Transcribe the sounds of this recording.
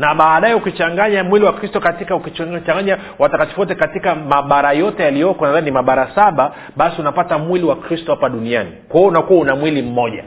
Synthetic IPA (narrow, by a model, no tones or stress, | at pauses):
naɓaːɗajɛukit͡ʃaŋɡaɲamwiliwakɾistɔkatikaukit͡ʃaŋɡaɲa | watakati̥fuwɔtɛkatikamaɓaɾajɔtɛjalijɔkɔnaðannimaɓaɾasaɓa | ɓasiunapatamwiliwakɾistɔhapaɗunianikwaɔunakuwaunamwilim̩mɔʄa̰